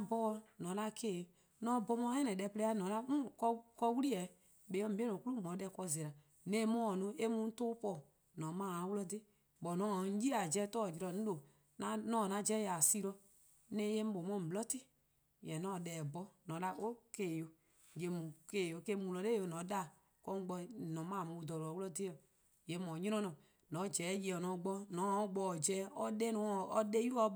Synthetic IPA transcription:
a˧bɔ˦˧nɔ̃˨˦la˧˦ke˦˨jo˨ | nɔ̃˧˦bɔ˧mɔ̃˧˦ɛ̃˦nɛ̃˨dɛ˧˨plɛ˧˦a˧˦nɔ̃˨˦la˧mũ˦kɔ˧kɔ˧˦wu˦li˦ɛ˨˦ | ɓe˨˦ɔ˦m̩˦be˦nɔ̃˨ku˦lu˦mɔ̃˨˦dɛ˧˨kɔ˧˨zɛ˨ɾa˨ | nẽː˨˦mɔ̃˦ɔ˨nũ˧˦e˦mũ˧˦n̩˦toː˦pɔː˦˨ | nɔ̃˨˦mãː˦˨a˨˦wu˦lɔ˧de˦ | bɔ˨nɔ̃˨˦˨ji˦a˨d͡ʒɛ˧˦tɔː˦˨d͡ʒi˧ɾɔ˧ñ̩˦o˨ | nã˧˦nɔ̃ː˦˨nã˧˦d͡ʒɛ˦ja˨si˦ɾɔ˧ | nẽ˦je˦m̩˦ɓo˨mɔ̃˧˨blɔ˦ti˦ | jɛ̃˨nɔ̃˨˦˨dɛː˨bɔ˧˦nɔ̃˨˦la˧ʔo˦keː˨jo˧ | je˨mũ˨ke˨jo˧ke˧˦mũ˨lɔ˧˦le˦o˧˦nɔ̃˨˦ɗa˦˨ | kɔ˧˦ɡ͡bɔ˧nɔ̃˨˦mãː˦˨mũ˧wu˧dɔ˨lo˨a˨wu˦lɔ˧de˦ɔ˨ | je˨˦mɔ̃˨˦ɲĩ˦ɔ̃˦nɔ̃˨ | nɔ̃˨˦d͡ʒɛː˨˦je˧˨ɔ˨nɔ̃˨˦ɡ͡bɔ˧nɔ̃˨˦˨ɡ͡bɔ˧˨d͡ʒɛ˨˦ɔ˧dɛ˦nɔ̃˨˦˨ɔ˧ɗe˦u˦ɔ˧˦

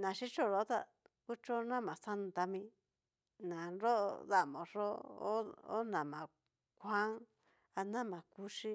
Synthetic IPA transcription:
nã˨ʃi˦t͡ʃo˦˨ɾo˧˦t̪a̰˦ | ku˦t͡ʃo˦nã˦mã˨sa˦n˨t̪a˧mĩ˧ | nã˨nɾo˦ʔða˦ʔmõ˨ʐo˦o̰˦o̰˦nã˨mã˨ | kʷa˦ŋ | a˧nã˦˨mã˨ku˧ʃi˦

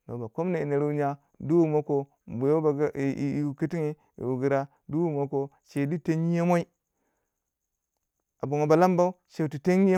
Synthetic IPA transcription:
no˨ba˨ko˦m˦ne˨i˨ni˨ɾu˦ɲa˦ | du˦wu˦mo˦ko˨ | bu˨jo˦ba˨˦˨u˨ki˦ti˦ŋi˦ | ḭ˨wu˨ɡi˨ɾa˦ | du˦wu˦mo˦ko˨ | ʃe˨di˦te˦ŋi˦je˦mo˦i˦ | a˨bu˨ŋo˨ba˨la˦mba˦u˦ʃe˨tu˨te˦ŋi˦

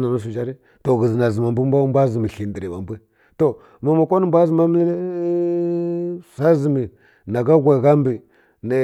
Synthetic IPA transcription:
na˨nu˦s̬u˨d͡ʒa˦ɾi˦ | to˨ɣə˨zi˨na˨zə˨ma˨mbə˦m˦bʷa˦mbʷa˦zi˨mi˨ɬi˨ndə˨ɾi˨ba˨mbi˦ | to˨ | ma˨ma˨ko˦n˨mbʷa˦zi˨ma˦mə˦l | sa˦zi˨mi˨ | na˨ɡa˦ɡʷa˨ɣa˦m˦bi˨ | nə˨

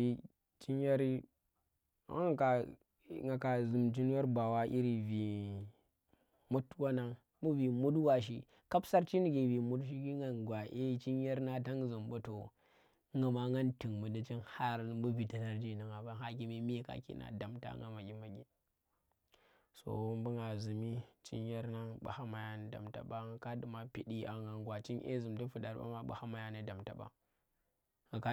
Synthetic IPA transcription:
i˨ | t͡ʃi˦nja˦ɾi˦ | a̰˨˦ŋ˨ka˨ | ŋa˨ka˨zu˨mt͡ʃi˦n˦ja˦ɾba˨wa˦ʔi˦ɾi˨vi˨ | mu˦twa˦na˦ŋ | mu˦vi˨mu˦dwa˨ʃ̬ḭ˦ | ka˦bsa˦ɾt͡ʃi˦n˦ɡi˨vi˨mu˦tʃi˦ɡi˦ŋa˨nɡʷa˨ʔe˦t͡ʃi˦nja˦ɾna˦ta˦ŋzu˨mbo˦to˨˦ | ŋɡa˨ma˦ŋɡa˦nti˨ŋmu˨da˨t͡ʃi˦nha˦ɾbu˦bi˨ta˨ta˦ɾd͡ʒi˦˨na˨ŋa˨ba˦ɦa˦ki˦me˦m˦e˦ka̰˨kḭ˦nʔa̰˨da˨mta̰˦ŋɡa̰˦ma˨ɡʲi˦ma˨ɡʲi˦ | so̰˨wu˦mbu˦ŋɡa˨zu˨mi˦t͡ʃḭ˦nja˦ɾna˦ɓa̰˨ha˦ma˨ja˦n˨da̰˨mta̰˨ba˦ŋa˨ka˦du˨ma˦pi˨ɗi˦a˨ŋɡa˨ŋɡwa˨t͡ʃi˦nʔḛ˦zu˨mdi˦fu˨da˨ɾba̰˦ma˦ɓa̰˨ha˦ma˨ja˦nə˦da˨mta˨ɓa̰˦ | ŋa˨ka˦

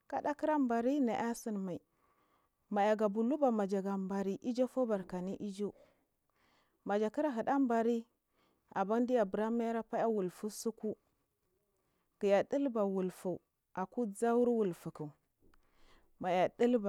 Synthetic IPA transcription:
ka˦ɗa˦ki˦ɾa˦mba˨ɾi˦na˨ʔa˦si˦nma˨i˨ | ma˨ja˨ɡa˨bu˨lu˦ba˨ma˨d͡ʒa˨ɡa˨mba˨ɾi˦ʔi˦d͡ʒo˦fo˦ba˨ɾka˨ni˦ʔi˦d͡ʒo˦ | ma˨d͡ʒa˨ki˦ɾa˦ɦə˨ɗa˦mba˨ɾi˦ | a˨ba˦n˦di˦ja˨bə˨ɾa˦ma˦jɾa˦pa˦ja˦wu˨lfu˦su˦ku˦ | ɡ̥i˨ja˨ɗə˦lba˨wu˨lfu˨ | a˨ku˦d͡za˦wu˦ɾwu˨lfu˨ku˨ | ma˨ja˨ɗi˦lba˨

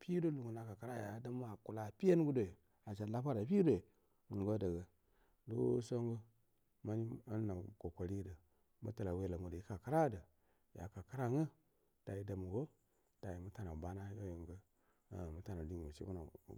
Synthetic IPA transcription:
pi˦do˦lu˨ŋɡu˨na˨ka˨ka˦ɾa˦˨ja˨˦da˦ma˨ku˨la˨pi˦je˦n˦ɡu˦do˨ | a˨t͡ʃa˨la˦pa˦ɾa˨pi˦do˨ | ŋ˨ɡo˦də˨ɡə˨ | do̰˦so˦ŋɡo˦ | ma˦ni˦a˦n˦na˨ko˨ko˨ɾi˦də˨ | mə̰˦tə˨la˨we˦˨la˨ŋu˨də˨i˦ka˨ka˦ɾa˦də˨ | ja̰˨ka˨ka˦ɾa˦ŋə˦ | d̥a˨ji˨da˨m˨ɡo˦ | d̥a˨ji˨mə˦ta˨na˨ba˦na˦jo˦jo˨ŋɡə̰˦˨ | mə˦ta˨na˨di˦˨mə˨ʃḭ˦bu˦na̰˨

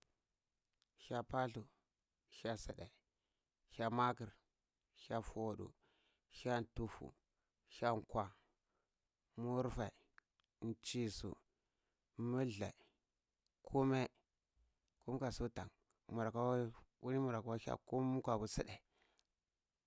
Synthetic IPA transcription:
ʃa˦pa˦ɬu˨ | ʃa˦si˨ɗe˨ | ça˦ma˦ki˨ɾ | xa˦fu˨o˨ɗṵ˨ | ʃa˦n˨tu˦fṵ˨ | ʃa˦ŋkʷwa˨ | mu˦ɾfa˨ | n˨t͡ʃi˦sṵ˨ | mu˦ɮa̰˨ | kʰu˦me˦ | ku˦m˦ka˨su˦ta̰˨ŋ | mu˨ɾa˨ka˦wu˦li˦mu˨ɾa˨ka˨˦wa˦a̰˦ku˦m˦kʷa˨bu˨si˦ɗe˨

